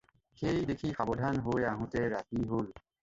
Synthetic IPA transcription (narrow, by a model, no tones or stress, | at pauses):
xejdekʰixabɔdʱanɦojaɦũtɛɹatiɦol